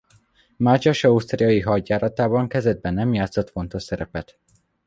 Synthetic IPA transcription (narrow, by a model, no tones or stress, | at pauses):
mad͡ʒɒʃɒust̪riɒjiɦɒɟːaːɾɒt̪aːbɒŋkɛzɛd̪̚bɛnːɛmjaːt̪sot̪fo̞nt̪o̞ʃsɛɾɛpɛt̪